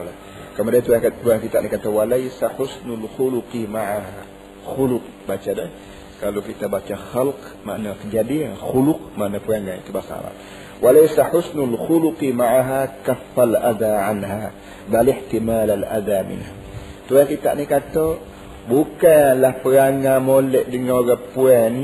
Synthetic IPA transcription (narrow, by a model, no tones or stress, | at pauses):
la | kəmudiant̪uɾat̪uɾaŋkit̪aʔnikat̪awalajsaħʊsnʊlxuluqimaʕaɦa | xulʊq̚bat͡ʃadɛh | kalokit̪abat͡ʃaxalq | ma̰ʔnak̪əd͡ʒadiaxulʊq̚maʔnapəɾaŋɡaŋḭt̪ubasa̰la̰t̪ | wʔalajsaħʊsnʊlxuluqimaʕaɦakafːalʔad̪aʕanɦa | balɪħt̪imalalʔa̰d̪amɪ̰nɦa | t̪uɾakit̪a̰ʔnikat̪o | bukalahpəɾaŋamolɛʔdəŋaoɾapuani